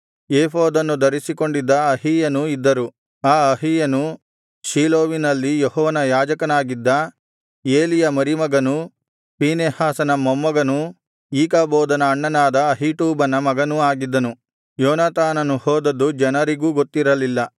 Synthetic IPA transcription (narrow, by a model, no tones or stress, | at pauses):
jeːpoːd̪ɐnːud̪ɐɾisiko̞ɳɖid̪ːɐɐɦijɐnuid̪ːɐɾu | aːɐɦijɐnu | ʃiːloːʋinɐlːijehɔːʋɐnɐjaːd͡ʒɐkɐnaːɡid̪ːɐ | eːlijɐmɐɾimɐɡɐnu | piːneːhaːsɐnɐmɔmːɐɡɐnu | iːkabɔːd̪ɐnɐːɳːɐnaːd̪ɐːɦiʈuːbɐnɐmɐɡɐnuaːɡid̪ːɐnu | jɔːnaːt̪aːnɐnuhɔːd̪ɐd̪ud͡ʒɛnɐɾiɡuːɡot̪ːiɾɐlilːɐ